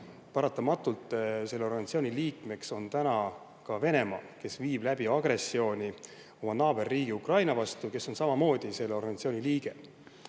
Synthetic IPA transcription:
pɑɾɑt̪ːˑɑmɑt̪ːˑult̪ˑːse̞lːeo̞ɾɡɑnɑt̪sio̞ːnʲiliːkme̞kso̞nt̪ænɑ | kɑve̞ne̞mɑːke̞sviːb̥læb̥iɑɡ̥re̞sːio̞ːnʲi | omɑnɑːb̥e̞rːiːɡ̥iukrɑjnɑvɑst̪uke̞sːo̞nsɑmɑmo̞ːd̪̥ise̞lːeo̞rɡɑnɑt̪sio̞ːnʲiliːɡ̥e̞

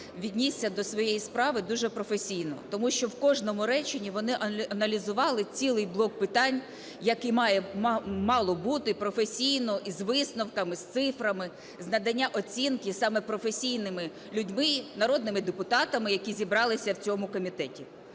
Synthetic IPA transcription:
ʋʲid̪ʲnʲisʲːɐd̪ɔsʋɔjejispɾɑʋɪd̪uʒɛpɾɔfesʲijnɔ̰t̪ɔmuʃt͡ʃɔwkɔʒnɔmʊɾɛt͡ʃɪnʲiʋɔnɪʔɐʔɐnɐlʲizʊʋɑlˠɪt͡sʲilˠɪjblˠɔk̚pɪt̪ɑnʲ | jɐkɪmɑjɛmɑlˠɔbut̪ɪpɾɔfesʲijnɔʔizʋɪsnɔwkɐmɪst̪sɪfɾɐmɪ | znɐd̪ɐnʲːaʔɔt͡sʲinkɪsɑmɛpɾɔfesʲijnɪmɪ | lʲudʲmɪnɐɾɔd̪nɪmɪd̪epʊt̪ɑt̪ɐmɪjɐkʲizʲibɾɑlˠɪsʲɐwt͡sʲɔmʊkɔmʲit̪ɛtʲi

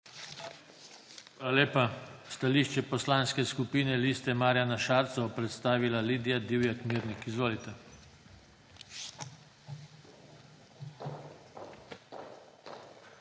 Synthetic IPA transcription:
aleːpast̪aliʃt͡ʃɛpɔslanskɛskupiːnɛliːst̪ɛmaːɾjanaʃaɾt̪sɔɔpɾɛt̪st̪aːʋilaliːd̪ijad̪iːwjakmiɾnikizʋoːlit̪ɛ

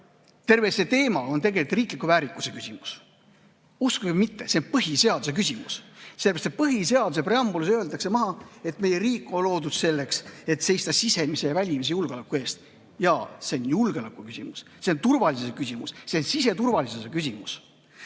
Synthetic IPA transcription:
t̪e̞rve̞se̞t̪e̞ːmɑo̞nt̪e̞ɡe̞lit̪riːklikuvæːɾikːˑuse̞kysʲimu̥s | uskukemit̪ːeseonpɤɦise̞ɑd̪̥use̞k̬ysʲimṵsselːeɾɑst̪et̪̚pɤɦise̞ɑd̪̥use̞pre̞ɑmbulusøːld̪ɑksemɑɦɑe̞t̪me̞jeɾiːkːˑo̞nlo̞ːd̪ud̪̥se̞lːe̞kse̞t̪se̞jst̪ɑsise̞mise̞jɑvælʲimis̬e̞julɡ̥elekːˑue̞ːst̪ | jɑseonjulɡ̥eolɑkːˑukysʲimus | seont̪urvɑlis̬esekysʲimṵsseonsise̞t̪urvɑlisesekysʲimus

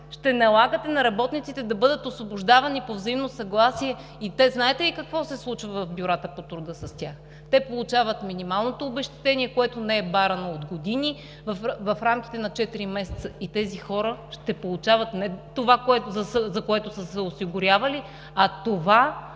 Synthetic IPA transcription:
ʃt̪ɛnɐlˠaɡət̪ɛnɐɾɐbɔt̪nit̪sit̪ɛd̪ɐbɤd̪ət̪osvobʊʒd̪avɐnipovzɐimnosɐɡlˠasiɛ | it̪ɛznaɛt̪ɛlikɐkvɔsɛslˠut͡ʃvɐvɐfbjuɾat̪əpot̪ɾud̪əsɐstʲax | t̪ɛpolˠut͡ʃavət̪minimalˠnot̪oːbɛʃt̪ɛ̥t̪ɛnʲiɛkoɛt̪onɛːɛbaɾɐnood̪ɡod̪ini | vɐfvɐfɾamk̟ʲi̥t̪ɛnɐt͡ʃɛt̪iɾimɛsɛ̥t̪səit̪ɛzixɔɾəʃt̪ɛpolˠut͡ʃavət̪nɛt̪ovakoɛt̪zɐsəzɐkoɛt̪ʊsəsɛosiɡʊɾʲjavɐli | ɐt̪ova

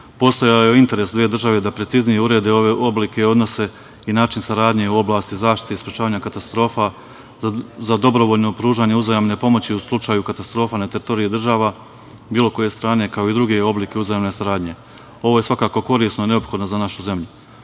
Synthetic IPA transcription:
po̞ːst̪o̞jajeint̪e̞ɾe̞sd̪ʋeːd̪r̩ʒaʋe̞d̪apɾetsiznijeuɾe̞ːd̪e̞o̞ʋe̞ʔo̞blike̞o̞d̪no̞se̞ | inaːt͡ʃinsaɾaːd̪ɲe̞uo̞blˠaːst̪izaːʃt̪i̥t̪eispɾet͡ʃaːʋaːɲakat̪ast̪ɾo̞ːfa | zad̪o̞bɾo̞ʋo̞ːʎno̞pɾuːʒaːɲe̞uzajamne̞po̞mo̞t͡ɕiuslˠut͡ʃaːjukat̪ast̪ɾo̞ːfanat̪eɾit̪o̞ɾiid̪r̩ʒaːʋa | biːlˠo̞ko̞je̞st̪ɾaːne̞kao̞id̪ɾuɡe̞o̞blike̞uzajamne̞saɾaːd̪ɲe̞ | o̞ʋo̞je̞sʋakaːko̞ko̞ɾiːsnoine̞opxo̞d̪no̞zanaʃuze̞mʎu

